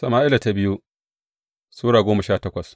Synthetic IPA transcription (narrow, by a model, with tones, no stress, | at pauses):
sɐ˨maː˦ʔɪ˦la˨ta˦bɪ˦ju˦ | suː˦ɽaː˨ɡʷoː˦mɐ˨ʃaː˦˨tɐ˦kʷɐ˨s